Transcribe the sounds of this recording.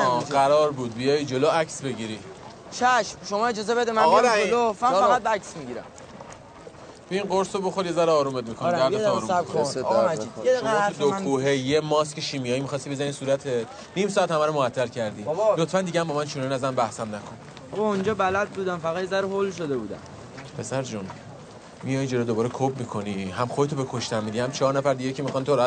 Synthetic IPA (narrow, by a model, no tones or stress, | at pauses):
ɡæɾɒːɾbuːd̪̚bijɒjid͡ʒo̞loæksbe̞ɟiɾi | t͡ʃʰæʃmʃomɒːed͡ʒɒːzebe̞d̪emænolofæmfæɣæd̪̚bæksmiɡiɾæ̰m | b̥einɢoɾsoboxoɾjezæɾeɒːɾuːmed̪̚mikʰoid̪æɾd̪ɒːɾɾuskoijeʃoɔud̪okʰuːɦejemɒːscʰeʃimijɒːjimixɒst̪ibezænisuːɾæt̪ʰe | nimsɒæt̪hæmæɾomoæt̪ʰːæɾcʰæɾd̪iːlot̪fænd̪iɟæmbɔːmænʃunɔniæzæmbæhsæmnækʰon | bɒund͡ʒɒːbælæd̪̚buːd̪æmfæɣæt̪jezæɾeɦolʃod̪ebuːd̪æ̰m | pʰe̞sæɾd͡ʒun | mijɒjd͡ʒeɾod̪obɒːɾekʰobmikʰo̞niɦæmχoet̪ʰobekʰoʃt̪æmːid̪ihæmt͡ʃʰɒːɾnæfæɾd̪iɟecʰemixɒnit̪ʰoɾæ